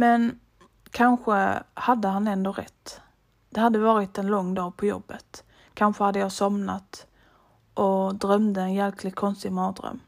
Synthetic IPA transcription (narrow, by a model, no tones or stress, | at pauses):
mɛn | kʰanɧəhad̪ːəhanɛnd̪oɾɛ̰t̪ː | d̪̥ɛhad̪ːəvɑːɾɪt̪ɛnlɔŋːd̪ɑːpʰɔjɔ̰bːət̪ | kʰanɧəhad̪ːəjɑːsɔmnat̪ | ʔɔd̪ɾœmd̪əɛnjæɾkʰlɪɡ̚kʰɔnst̪ɪmɑːd̪ɾœ̰m